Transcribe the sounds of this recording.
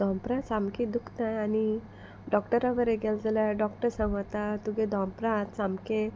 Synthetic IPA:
d̪ʱɔ̃mpɾãt͡samkĩd̪ukʰt̪ajani | ɖɔkʈəɾaʋəɾeɡɛld͡zəljaɖɔkʈəɾsãŋɡʋt̪at̪uɡẽd̪ʱɔ̃mpɾãt̪t͡samkẽ

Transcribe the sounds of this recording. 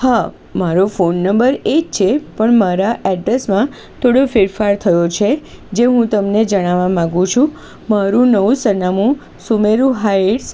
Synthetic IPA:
ha | maɾofonːəmbəɾekt͡ʃʰepəɳmaɾaʔɛɖɾesmã | t̪ʰoɽofɪɾfaɾt̪ʰəjot͡ʃʰed͡ʒeɦũt̪əmned͡ʒəɽ̃aʋamãɡũt͡ʃʰũ | maɾũnəʋũsənamũ | sumeɾũɦaeʈs

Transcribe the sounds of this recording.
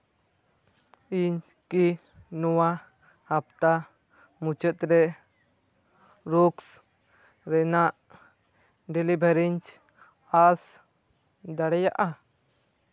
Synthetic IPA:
iɲ | ki | nɔwa | hapt̪a | mut͡ʃət̪ɾɛ | ɾuks | ɾɛnaʔ | ɖɛlibʱɛɾiɲt͡ʃ | as | d̪aɽɛjaʔa

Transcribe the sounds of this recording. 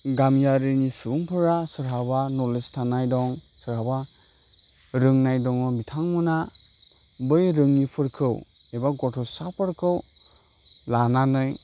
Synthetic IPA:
ɡamjaɾɯnisuuŋpʰɯɾasɯɾɦabanɔlestʰanajdɔŋ | sɯɾhaba | ɾɯŋnajdɔŋɔbitʰaŋmɯna | bɯjɾɯŋnipʰɯɾkʰɯw | ebaɡɔtʰɔsapʰɯɾkʰɯw | lananɯj

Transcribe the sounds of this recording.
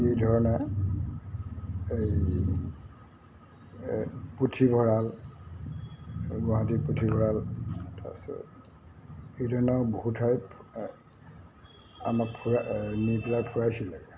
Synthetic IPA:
ejdʱɔɹɔnɛ | ej | putʰibʱɔɹal | ɡɔãɦãtiputʰibʱɔɹalta̰sɔ̰ | ejdʱɔɹɔnɔbohutʰɔj | a̰makpʰuniplapʰuɹajsilaɡɛ

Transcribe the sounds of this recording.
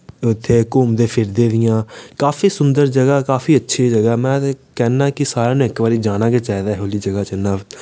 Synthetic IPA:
ʊt̪ʰːeːkʊːmd̪eːpʰɪɾd̪eːd̪ɪjãːkaːfiːsʊnd̪əɾd͡ʒəɡaːkaːfʰiːətːʃʰeːd͡ʒəɡaːmɛ̃ːkɛːnaːkɪsaːɾaːnũːɪkʋaːɾiːd͡ʒaːnaːkeːt͡ʃaːɦid̪aːɦoːliːd͡ʒəɡaːt͡ʃənaː

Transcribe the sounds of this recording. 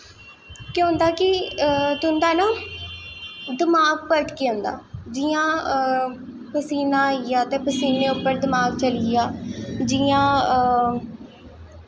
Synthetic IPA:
kjõːnd̪aːkɪt̪ʊnd̪aːnaː | d̪ɪmaːɡ̚pəʈkeːə̃ːnd̪a̰ːd͡ʒɪãː | pəsiːnãːijaːt̪ẽːpəsiːneːʊpːəɾd̪ɪmaːɡt͡ʃəlɪjaːd͡ʒiãː

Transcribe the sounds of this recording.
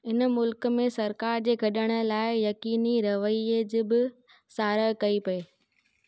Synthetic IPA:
ɪnmʊlkmẽsɐɾkaːɾd͡ʑeːɡʱɐɗəɽ̃ə̆laːɪjɐkiːniɾɐʋəied͡ʑɪbɪ | saːɾəɦkɐipɐeː

